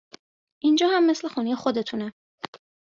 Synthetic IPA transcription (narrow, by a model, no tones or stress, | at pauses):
ʔind͡ʒɒːhæmːe̞sle̞xuːnejexo̞d̪e̞t̪ʰunæ